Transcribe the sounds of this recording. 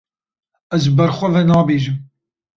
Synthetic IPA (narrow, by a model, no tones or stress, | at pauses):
ɛzbɐɾxʷɛvɛnɑːbeːʒɨm